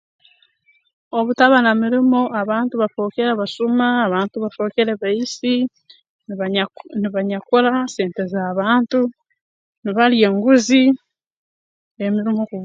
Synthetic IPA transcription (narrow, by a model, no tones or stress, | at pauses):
oβutaβanamiɾimo̞ʔaβaːntuβafo̞ːkeɾeβasumaːβaːntuβafo̞ːkeɾeβaisi | nniβaɲakoɾase̞ːnte̞zaːβaːntu | niβalje̞ːŋɡuzi | emiɾimoku